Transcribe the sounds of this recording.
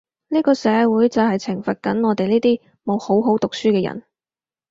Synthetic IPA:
niː˥kɔː˧sɛː˨˧wuː˨˥jt͡sɐ˨wɦɐ˨jt͡sʰɪ˨˩ŋfɐ˨t̚kɐ˨˥nŋɔː˨˧t̪e˨jliː˥t̪iː˥ | mo˨˧who˨˥wɦo˨˥wt̪ʊ˨k̚syː˥kɛː˧jɐ̰˨˩n

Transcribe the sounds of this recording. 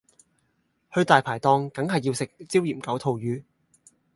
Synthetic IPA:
hɵ˧ɥt̪aː˨˩jpʰaː˨˩jt̪ɔː˧ŋkɐ˨˥ŋhɐ˨jːi˧wsɪ˨k̚t͡siː˥wjiː˨˩mkɐ˨˥wt̪ʰo˨˧wjyː˨˥

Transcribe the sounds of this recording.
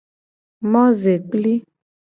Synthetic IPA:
mɔ̃˦ze˨k͡pli˦

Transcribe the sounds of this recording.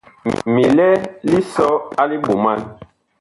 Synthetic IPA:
mi˨lɛ˦li˦sɔ˦a˦li˦ɓo˨ma˦n

